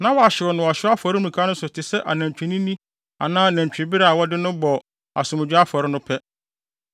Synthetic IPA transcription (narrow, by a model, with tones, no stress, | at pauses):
nã˦wɔ˨a˨ɕɪ˨wɔ˨nʊ̃˨a˨ɕᶣa˦fɔ˨ɾɪ˦m̩˨ĩ˨kʰa˦nʊ̃˦sʊ˨tʰɪ˨sɛ˦ʔa˨næ̃˨ɲ˨t͡ɕᶣi˨nĩ˦nĩ˦ | a̰˨nãː˦˨næ̃˨ɲ˨t͡ɕᶣĩ˨bi˦ɾaː˦˨wɔ˦dɪ˦nʊ̃˦bɔ˨ | a̰˨sʊ˨mɪ̃˨d͡ʑᶣɪ˦a˦fɔ˨ɾɪ˦nʊ̃˦pʰɛ˦